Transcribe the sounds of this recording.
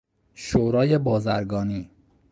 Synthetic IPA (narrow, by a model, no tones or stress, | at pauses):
ʃoːɾɒːjebɒːzæɾɡɒːniː